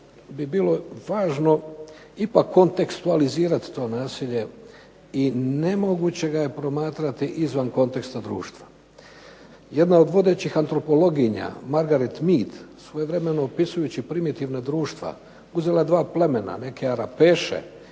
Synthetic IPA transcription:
bibiːlo̞ʋaːʒno̞ | ipakʰːo̞nt̪e̞kst̪ualiziːɾat̪t̪o̞ːnaːsiʎe̞ | ine̞mo̞ɡut͡ɕe̞ɡaje̞pɾo̞maːt̪ɾat̪iʔizʋanko̞nt̪e̞kst̪ad̪ɾṵːʃt̪ʋa | jed̪nao̞d̪ʋo̞d̪e̞t͡ɕixant̪ɾo̞po̞lo̞ɡiɲa̰maɾɡaɾet̪miːt̪sʋo̞je̞ʋɾe̞me̞noːpisujut͡ɕipɾimit̪iʋnad̪ɾuːʃt̪ʋa̰ | uzilaed̪ʋaːple̞me̞na̰ne̞kʰe̞aɾapeːʃḛ

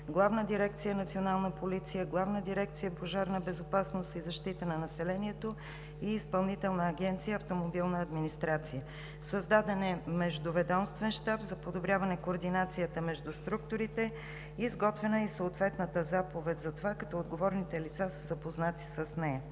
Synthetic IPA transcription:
ɡlˠavnəd̪iɾɛk̚t̪sijənɐt̪sionalˠnəpolit̪sijəɡlˠavnəd̪iɾɛkt̪sijəpoʒaɾnəbɛzopasnost̪izɐʃt̪it̪ənɐnɐsɛlɛniɛt̪o | iːspɐlˠnit̪ɛlˠnəːɡɛnt̪sijəːft̪omobilˠnəːd̪minist̪ɾat̪sijə | sɐzd̪ad̪ɛnɛmɛʒd̪ʊvɛd̪ɔmst̪vɛnʃt̪abzɐpod̪obɾʲjavənɛkoːɾd̪inat̪sijət̪əmɛʒd̪ust̪ɾukt̪oɾit̪ɛ | iːzɡɔt̪vɛnəisəot̪vɛt̪nət̪əzapovɛt̪ʲzɐt̪ovakɐ̥t̪ɔod̪ɡovɔɾnit̪ɛlit̪sasəzɐpoznat̪i̥səsnɛjə

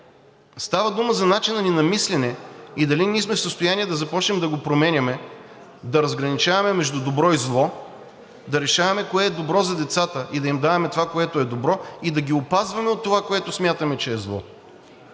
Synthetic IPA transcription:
st̪avəd̪uməzɐnat͡ʃinɐninɐmislɛnɛid̪ɐliniɛsmɛfsəst̪ojanʲiɛd̪ɐzɐpɔt͡ʃnɛmd̪ɐɡopɾomɛnʲɐmɛ | d̪ɐɾɐzɡɾɐnit͡ʃavɐmɛmɛʒd̪ud̪obɾɔizlˠɔ | d̪ɐɾɛʃavɐmɛkoɛːd̪obɾɔzɐd̪ɛt̪sat̪əʔid̪ɐimd̪avɐmɛt̪ovakoɛt̪oɛd̪obɾɔid̪ɐɡʲiopazvɐmɛot̪ːovakoɛt̪ʊsmʲjat̪ɐmɛt͡ʃɛːzlˠɔ̰

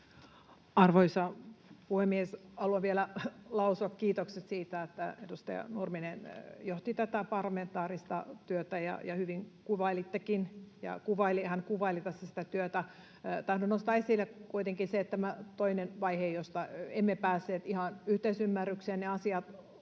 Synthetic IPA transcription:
ɑrʋoisɑpuhemːiesɑluɑʋielælɑusuɑkkiːt̪okset̪siːt̪æet̪ːæ̰edust̪ḛɑ̰nurminenjoht̪it̪æt̪æpɑrlɑment̪ɑːɾist̪ɑt̪yøt̪æjɑ̰jɑhyʋiŋkuʋɑilit̪ːekinjɑ̰kuʋɑilihænkuʋɑilit̪æsːæsi̥t̪æt̪yøt̪æ | t̪ɑhdonost̪ɑːesilːekuit̪eŋkinset̪t̪æmæt̪oinenʋɑihejost̪ɑemːepæːsːeːt̪ihɑnyht̪eisymːærːykseːnneɑsiɑt̪

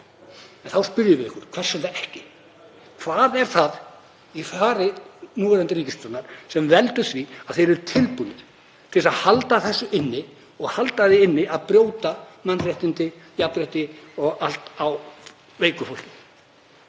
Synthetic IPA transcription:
ɛnθawspʏɾjɪɾvɪðɪ̰hkʏɾ̥kʰv̥ɛr̥sʏɾθaɛhcɪ | kʰvaːðɛɾ̥θað | ifaːɾɪnuːɛɾant̪ɪɾiːcɪst̪ɾɔt̪naɾ̥sɛmvɛlt̪ʏθviað̥θejɾɛɾt̪ʰɪlpunɪð | t̪ʰɪlsaðhalt̪aθɛsːʏʔɪnːɪ | ɔɣhalt̪aðɪɪnːɪaðpɾjoːwt̪amanːrjaht̪ɪnt̪ɪjap̪ɾɛht̪ɪɔɣalt̪aw | veːjkʏfowl̥cɪ

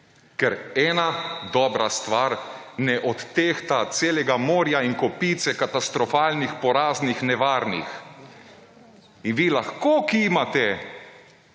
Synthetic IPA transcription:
kɛɾɛːnad̪ɔːbɾast̪ʋaːɾnɛʔɔt̪ːext̪at̪seːlɛɡamoːɾjaiŋkɔpiːt̪sɛkat̪ast̪ɾɔfaːlnixpɔɾaːznixnɛʋaːɾnḭx | inʋiːlaxkoːkimat̪ɛ

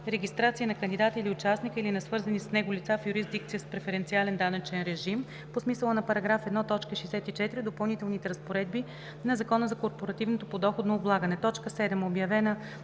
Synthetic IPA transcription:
ɾɛɡʲist̪ɾat̪siənɐkənd̪id̪at̪əiliʊt͡ʃasnikəilinɐsvɤɾzənisnɛɡolit̪safjuɾizd̪ik̚t̪sijəspɾɛfɛɾɛnt̪sialɛnd̪anɐt͡ʃɛnɾɛʒim | posmisəlˠənɐpɐɾɐɡɾafɛd̪nɔt̪ɔt͡ʃkəʃijsɛt̪it͡ʃɛt̪iɾid̪opɐlˠnit̪ɛlˠnit̪ɛɾɐspoɾɛd̪̚bi | nɐzɐkɔnəzɐkoɾpoɾɐt̪ivnot̪opod̪ɔxod̪noːblˠaɡənɛt̪ɔt͡ʃkəsɛd̪ɛmobjɐvɛnə

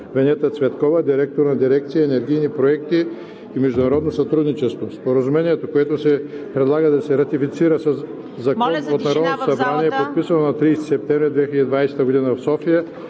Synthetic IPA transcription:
vɛnɛt̪ət̪svɛt̪kɔvɐd̪iɾɛk̚t̪oɾnɐd̪iɾɛk̚t̪sijəːnɛɾɡ̟ijnipɾoɛkt̪iː | mɛʒd̪ʊnɐɾɔd̪nosɐt̪ɾud̪nit͡ʃɛst̪vospoɾɐzumɛniɛt̪okoɛt̪osɛpɾɛd̪lˠaɡəd̪ɐsɛɾɐt̪ifit̪siɾəsɐsː | ɐkɔnot̪nɐɾɔd̪not̪osɐbɾaniɛpot̪̚pisɐnonɐt̪ɾijst̪i̥sɛp̚t̪ɛ̃vɾid̪vɛxʲilʲɛd̪id̪vajsɛ̥t̪əɡod̪inəvɐfsɔfijə

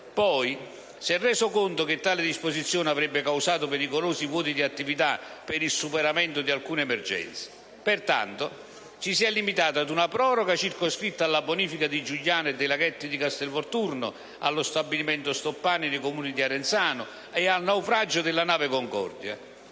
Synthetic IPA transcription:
pɔj | sɛrːɛːsokont̪ʊk̟ɪt̪ːaːlɪd̪isposit̪sːjoːnavɾɛbːɪkawsaːt̪ʊpɛɾikoloːsivwɔːt̪id̪iat̪ːivit̪apɪɾilsːupɛɾamɛnt̪ʊd̪ialkuːneɛmɛrd͡ʒɛ̰nt̪sɪ̥ | pert̪a̰nt̪ʊ | t͡ʃisiɛlːimit̪aːt̪ad̪unapɾɔːɾɔɡat͡ʃirkoskɾit̪ːaːlːaboniːfikad̪id͡ʒuʎːaːnɛd̪ejlaɡɛt̪ːid̪ikast̪ɛlvɔrt̪urnʊ̰ | a̰lːʊst̪abːilimɛnt̪ʊst̪opːaːninɪkomuːnid̪iaɾɛnt̪saːnʊ | ɛalnawfɾad͡ʒːʊd̪ɪlːanaːvɪkoŋkɔ̰rd̪ja̰

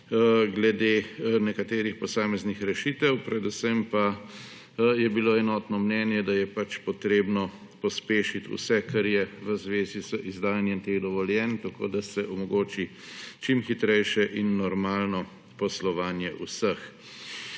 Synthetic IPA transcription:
ɡlɛd̪enɛkat̪eːɾixpɔsaːmɛznixɾɛʃit̪ɛwpɾɛd̪usɛmpa | jɛbiloːɛnɔːt̪nɔmnɛːnjɛd̪ajɛpat͡ʃpɔt̪ɾeːbnɔ | pɔspeːʃit̪ṵsɛkaɾjɛʋəzʋeːzizəʔizd̪aːjanjɛmt̪eɣd̪ɔʋɔljɛnt̪ako̰d̪asɛʔɔmɔɡoːt͡ʃi | t͡ʃimxit̪ɾɛjʃɛʔinːɔɾmaːlnɔ | pɔslɔʋaːnjɛʔusəx

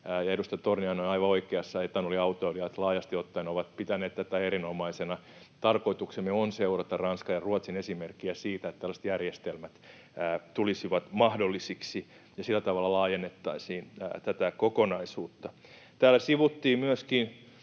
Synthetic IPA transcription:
jɑedust̪ɑjt̪orniɑnoinɑiʋɑoikeɑsːɑet̪ːænoliɑut̪oeliɑt̪lɑːjɑst̪iot̪ːɑinoʋɑt̪̚pit̪æneːt̪t̪æt̪æeɾinomɑisenɑ | t̪ɑrkoit̪uksemeonseurɑt̪ɑrɑnskɑjɑruɑt̪sinesimerkːiæsiːt̪æet̪ːt̪ælæset̪jærjest̪elmæt̪ː | t̪ulisiʋɑt̪mɑhdolːisiksi | jɑsilːæt̪ɑʋɑlːɑlɑːjenːet̪ːɑisiːn̰ːt̪æt̪ækokonɑisuːt̪ːɑ | t̪æːlːæsiʋut̪ːiːmyøskin

